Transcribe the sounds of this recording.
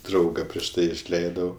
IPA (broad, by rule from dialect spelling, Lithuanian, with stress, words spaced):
ˈdrɐʊɡɐ pʲrʲiɛʃ ˈtɐɪ ɪʃʲˈlʲɛɪdɐʊ